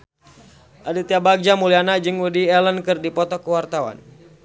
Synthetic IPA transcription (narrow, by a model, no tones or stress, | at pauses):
ʔadit̪iabaɡ̚d͡ʒamulianad͡ʒɨŋwudiɛlənkɨrdipɔt̪ɔkəwart̪awa̰n